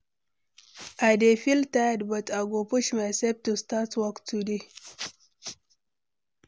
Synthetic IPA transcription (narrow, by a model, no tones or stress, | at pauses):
adefilt̪ajad̪bat̪ʼaɡopuʃmaseb̚t̪ust̪at͡swakt͡sudi